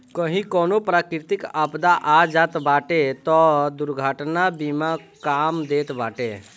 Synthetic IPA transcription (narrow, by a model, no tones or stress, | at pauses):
kəɦĩkɔnopɾakɾit̪ikəpd̪aʔad͡ʒat̪baʈet̪ɔd̪uɾɡʱəʈnabimakamd̪et̪baʈe